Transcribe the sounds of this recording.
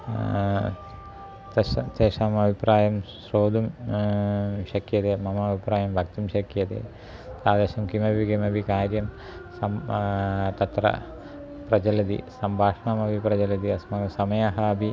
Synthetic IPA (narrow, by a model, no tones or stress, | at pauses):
ɐt̪eːʂaːmɐbʱipraːjɐmsroːd̪um | ɕɐkːjɐt̪emɐmɐɐbʱipɾaːjɐmbʱɐk̚t̪umɕɐkijɐt̪ḛː | t̪aːd̪eːɕɐmkimɐbʱikimɐbʱikaːɾjɐm | sɐm | t̪ɐt̪rɐ̰ | prɐd͡ʑɐlɐd̪ḭsɐmbʱaːʂɐɳaːmɐbʱiprɐd͡ʑɐlɐd̪iɐsmɐɡɐmsɐmɐjaɦaːbʱi